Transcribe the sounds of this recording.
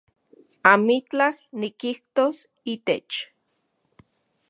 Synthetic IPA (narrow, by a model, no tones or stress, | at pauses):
amit͡ɬahnikiht̪os | iːt̪et͡ʃ